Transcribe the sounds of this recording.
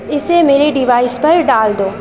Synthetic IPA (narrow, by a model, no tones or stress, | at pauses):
ɪsemeːɾeɖɪʋaːɪspɐɾɖaːld̪oː